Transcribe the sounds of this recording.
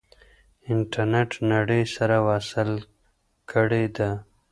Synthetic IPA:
ɪɳʈaɾneʈnaɽəjsaɾawaːsɪl | kʰəɽed̪a

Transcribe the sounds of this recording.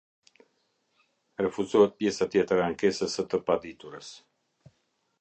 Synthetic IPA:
rɛfuzɔhɛt̪̚pjɛsat̪jɛt̪ɾaaŋkɛsəsət̪əpad̪it̪uɾəs

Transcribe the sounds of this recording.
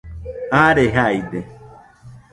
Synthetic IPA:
aɾeɦajd̪e

